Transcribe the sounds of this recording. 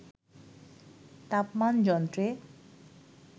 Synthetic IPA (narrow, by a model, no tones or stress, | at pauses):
t̪apmand͡ʑɔnt̪ɾe